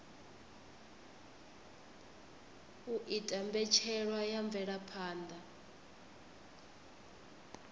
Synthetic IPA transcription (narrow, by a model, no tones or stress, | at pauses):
uʔitʼambɛt͡ʃʰɛɺwajaɱb̪vɛɺapʰaːndʱa